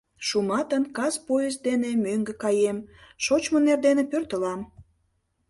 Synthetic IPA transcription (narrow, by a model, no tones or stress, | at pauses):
ʃumɑt̪ənkɑzpojəzd̪enemøŋɡekɑjemʃot͡ɕmonerd̪enĕpørt̪ə̆lɑm